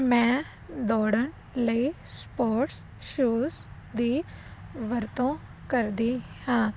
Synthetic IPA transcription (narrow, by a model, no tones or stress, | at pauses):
mɛ̃ː | d̪ɔːɽəɳ | ləiːspoːɾʈs | ʃuːs | d̪iːʋəɾt̪õː | kəɾd̪iːhãː